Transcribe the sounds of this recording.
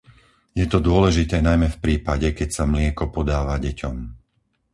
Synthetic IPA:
jɛt̪ɔd̪ʊɔlɛʒit̪ɛːnajmɛfpɾiːpaɟɛkɛcsamlɪɛkɔpɔd̪aːʋaɟɛcɔm

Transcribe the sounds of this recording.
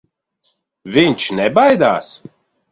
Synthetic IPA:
viɲʲt͡ʃnɛbajd̪aːs

